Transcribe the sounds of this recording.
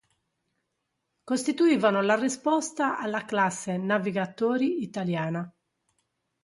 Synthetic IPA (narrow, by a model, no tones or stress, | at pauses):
kost̪it̪uiːvanolarispɔst̪aʔalːaklasːenaviɡat̪oːɾiːt̪aljaːna